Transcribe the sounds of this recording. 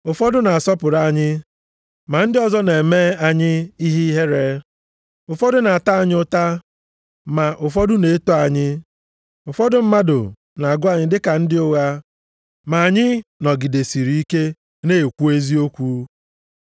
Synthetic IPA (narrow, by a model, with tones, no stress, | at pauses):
ʊ˨fɔ˦dʊ˦na˨a˨sɔ˦pʊ˨ɾa˦˨ɲɪ˦ | ma˨n̩˦dɪ˦ɔ˨zɔ˦ne˨e˨meː˦a˨ɲɪ˦i˦ɦi˦ɦe˦ɾe˦ | ʊ˨fɔ˦dʊ˦na˨a˨ta˦a˨ɲ˦ʊ˦ta˦ | ma˨ʔʊ˨fɔ˦dʊ˦ne˨˦to˦a˨ɲɪ˦ | ʊ˨fɔ˦dʊ˨m̩˦ma˦dʊ̰˨ | na˨a˨ɡʊ˦a˨ɲɪ˦dɪ˦ka˨n̩˦dɪ˦ʊ˦ɣa˦ | ma˨a˨ɲɪ˦nɔ˨ɡɪ˨de˨si˨ɾi˨i˦ke˦ | ne˦e˨kʷu˦e˦zi˦o˦kʷu˦